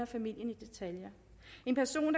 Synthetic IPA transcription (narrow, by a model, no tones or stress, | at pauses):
ɐfæmil̰jənid̥e̝t͡sʰæljɐ | e̝npʰæɐso̝̰ːnd̥